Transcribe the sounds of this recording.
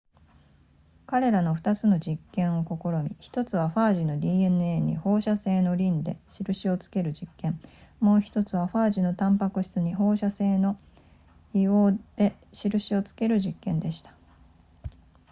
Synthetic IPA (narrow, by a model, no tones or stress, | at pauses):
kaɾe̞ɾano̞ɸt̪at͡sɨno̞d͡ʑikːẽ̞ɰ̃o̞ko̞ko̞ɾo̞mʲiçi̥t̪o̞t͡sɨβ̞aɸaːʑino̞d̪ʲiːe̞nɯ̟e̞ːɲ̟ḭho̞ːɕase̞ːno̞ɾʲĩnd̪e̞̰ɕiɾɯ̟ɕio̞t͡sɨ̥ke̞ɾɯ̟d͡ʑikːẽ̞mmo̞ːçi̥t̪o̞t͡sɨβ̞aɸaːʑino̞t̪ãmpakɯ̟ɕi̥t͡sɨɲ̟iɦo̞ːɕase̞ːno̞ | io̞ːd̪̥e̞ | ɕiɾɯ̟ɕio̞t͡sɨ̥ke̞ɾɯ̟ʑikːẽ̞nd̪e̞ɕi̥t̪ḁ